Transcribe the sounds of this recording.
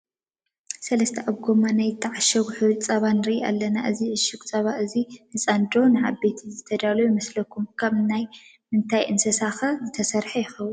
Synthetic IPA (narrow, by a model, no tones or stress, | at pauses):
sɐlɐst̪ʰɐʔaβɡomanajɨt̪ʰːaʕaʃɐɡuħɨt͡sʼɐβanɨɾiʔia̰lːɐna̰ʔɨziɨʃɨkʼt͡sʼɐβaʔɨzinɨt͡sʼand̪ɾo̞nɨʕaβet̪ʰizɨt̪ʰɐd̪alɐjumɐslɐkʰumkʰaβnaj | mɨnt̪ʰajʔɨnsɐsaxɐzɨt̪ʰɐsɐɾħɐjɪxɐwun